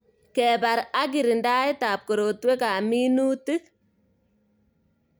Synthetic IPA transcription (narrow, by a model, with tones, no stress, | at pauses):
kɛ˨ba˨ɾa˦ɡ̬ɪ˨ɾi˨nda˦ɪ˦taː˨p̚ko˨ɾo˨twe˦ka˨mi˦nu˦tɨ˦k